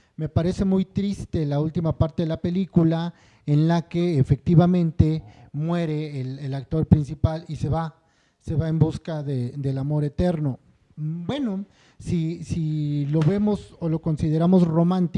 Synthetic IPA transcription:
me̞paɾe̞se̞mujt̪ɾist̪e̞lault̪imapaɾt̪e̞ðelape̞likula | enlakeːfe̞k̚t̪iβamẽ̞nt̪e̞mwe̞ɾe̞ːlelak̚t̪o̞ɾpɾinsipalise̞βa | se̞βae̞mbuskaðed̪e̞lamo̞ɾe̞t̪e̞ɾno̞ | bwe̞no̞ | sisilo̞βe̞mo̞solo̞ko̞nsiðe̞ɾamo̞sro̞mãnt̪i

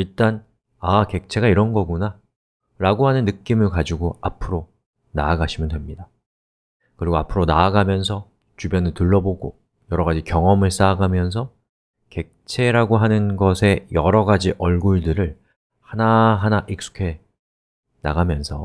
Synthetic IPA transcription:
iɭt͈an | ake̞k̚t͡ɕʰe̞ɡaiɾʌnɡʌɡuna | ɾaɡoɦanɯnːɯk͈imɯɭkad͡ʑiɡoapʰɯɾo | naːɡaɕʰimɯndwe̞mɲida | kɯɾiɡoapʰɯɾonaːɡamjʌns̬ʰʌ | t͡ɕubjʌnɯtɯɭːʌboɡo | jʌɾʌɣad͡ʑikjʌŋʌmɯɭs͈aɡamjʌns̬ʰʌ | ke̞k̚t͡ɕʰe̞ɾaɡoɦanɯnɡʌsʰe̞jʌɾʌɡad͡ʑiʔʌɭɡuɭdɯɾɯɭ | hanaɦanaʔik̚s͈u̥kʰe̞ | na̰ɡamjʌnsʰʌ

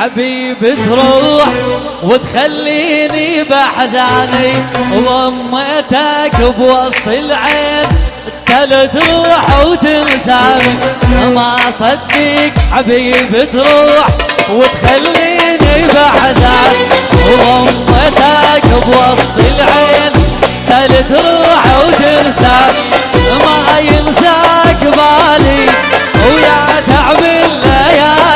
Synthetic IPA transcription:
ʕabiːbɪt̪ɾuːħ | wɪt̪xalːiːnibaħazaʕniwɣʊmːet̪akɪbwɑsˤt̪ˤɪlʕeːl | t̪alat̪ɾˤuːħwt̪ɪnsaʕmiʔamasˤɑt̪likʕabiːbɪt̪ɾˤuːħwɪt̪xalːinibaʕzanwɣʊmːat̪akbwɑsˤt̪ˤɪlʕeːlt̪alɪt̪ɾˤuːħawt̪ɪnsamiamajɪnsakbaːli | jat̪aʕmɪlːaja

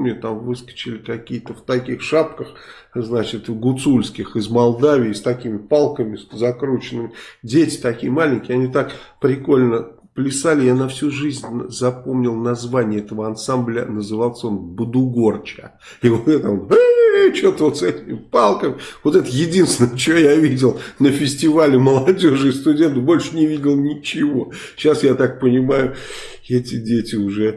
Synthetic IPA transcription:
mnʲet̪amvɨskə̥t͡ɕɪlʲɪkɐkʲijət̪əft̪ɐkʲixʂapkəx | znat͡ɕɪt̪ɡʊt̪sulʲskʲɪxɪzmɐlˠd̪avʲɪːst̪ɐkʲimʲɪpalˠkəmʲɪzɐkɾut͡ɕɪnɨmʲɪdʲetʲɪ̥t̪ɐkʲijəmalʲɪnʲkʲɪɐnʲit̪akpɾʲɪko̞lʲnə | plʲɪsalʲɪjanɐfsʲuʐɨzʲnʲzɐpo̞mnʲɪlˠnɐzvanʲɪjəɛt̪əvəɐnsamblʲənəzɨvalˠsʲəo̞nbɨd̪ʊɡo̞rt͡ɕə | ɪvot̪ɛt̪əonət͡ɕot̪əvot̪sɛtʲɪmʲɪpalˠkəmʲɪvo̞t̪ɛt̪əjɪdʲinst̪ʲɪnəjət͡ɕɪojavʲidʲɪlˠnəfʲɪsʲtʲɪvalʲɪməlˠɐdʲo̞ʐɨɪst̪ʊdʲe̞nt̪ɨbo̞lʲʂənʲɪvʲidʲɪlˠnʲɪt͡ɕɪvo̞ | ɕːasjat̪ak̚pənʲɪmajʊ | ɛtʲɪdʲetʲɪʊʐɛ

